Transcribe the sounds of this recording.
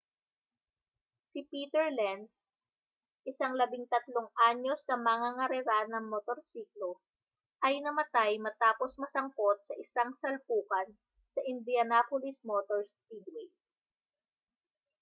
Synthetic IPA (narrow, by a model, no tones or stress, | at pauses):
sɪpiːt̪ɛɹlɛns | ʔɪsaŋlɐbɪŋt̪ɐt̪loŋʔaɲo̞snɐmɐŋaŋɐɾɛɾanɐŋmot̪oɾsiːklo | ʔɐjnɐmɐt̪ajmɐt̪aːpo̞smɐsɐŋkot̪̚sɐʔɪsaŋsɐlpuːkɐn | sɐʔɪnd̪iɐnapolɪsmot̪oɹstid̪wɛ